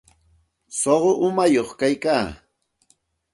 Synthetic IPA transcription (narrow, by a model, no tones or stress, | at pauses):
soɢoʔʊmajoχkajkaː